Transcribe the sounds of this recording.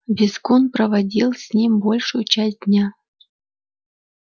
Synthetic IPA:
vʲiskonprəvadʲilˠsʲnʲimʲbolʲʂʊjʊt͡ɕas̚ʲd̥̪ʲnʲa

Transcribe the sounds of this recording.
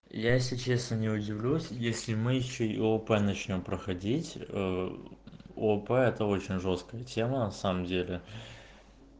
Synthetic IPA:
jaesʲlʲɪt͡ɕe̞snənʲɪʊdʲɪvlʲusʲjesʲlʲɪmɨjɪɕːoiopɛnɐt͡ɕnʲo̞mpɾəxɐdʲitʲə | opɛɛt̪əo̞t͡ɕɪnʲʐo̞st̪̚kəjətʲe̞mənɐsaməmdʲelʲɪ

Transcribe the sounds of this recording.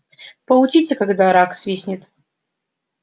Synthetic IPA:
pəlˠʊt͡ɕit͡sʲəkaɡd̪aɾaksvʲesʲnʲɪt̪

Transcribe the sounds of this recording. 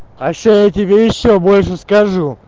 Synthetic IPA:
xɐɕːojɛtʲɪbʲejɪɕːobolʲʂəskɐʐu

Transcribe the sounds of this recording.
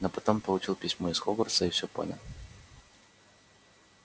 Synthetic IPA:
nopɐt̪ompəlˠʊt͡ɕilˠpʲisʲmoɪsxoɡərsəɪfsʲopo̰nʲə̰lˠ

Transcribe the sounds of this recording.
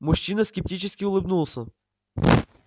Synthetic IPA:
mʊɕːinəskʲɪp̚tʲit͡ɕɪskʲɪʊlˠɨbnulˠsʲə

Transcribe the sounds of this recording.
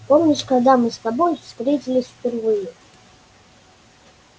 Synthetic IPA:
pomnʲɪʂkaɡd̪amɨst̪abojfst̪ɾʲetʲilʲɪsʲfpʲɛrvɨjɛ

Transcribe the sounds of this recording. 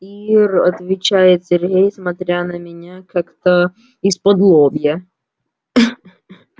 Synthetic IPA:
irɐ̰t̪vʲɪt͡ɕajɪt̪sʲɪrɦʲejsmɐt̪ɾʲanəmʲɪnʲakakt̪ə | ɪspɐd̪lˠobʲjə

